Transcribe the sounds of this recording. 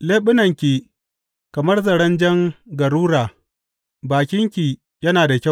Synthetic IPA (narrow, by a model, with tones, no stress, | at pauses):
leː˦ɓɪ˦nɐ˨ŋkʲiː˨ | kɐ˨mɐ˦rzɐ˨ɽɐ˦nd͡ʒɐ˦ŋɡɐ˨ɾuː˦ɽaː˨ | baː˨kʲɪ˦ŋkʲiː˨ | jɐ˦naː˨da˨kʲa˦˨